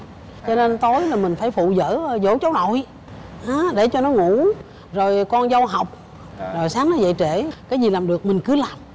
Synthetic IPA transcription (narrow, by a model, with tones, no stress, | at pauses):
t͡ɕɔ˧ne˧nt̪o˨˦jlaː˨˩mï˨˩ŋ̟faː˧˩jfṵ˧˨zə̰ː˧˥˨zo̰˧˦t͡ɕə˨˦wno̰˧˨j | haː˨˦ɗe˧˩t͡ɕɔ˧nɔ˨˦ŋu˧˥ | zo˨˩jkɔ˧nzə˧wɦa˨˩wk͡p̚ | zo˨˩jsaː˨˦ŋnɔ˨˦zə̰˧˨jt͡ɕe˧˩kaː˨˦jzi˨˩laː˨˩mɗɨ˨˩ək̚mï˨˩ŋ̟kɨ˨˦laː˨˩m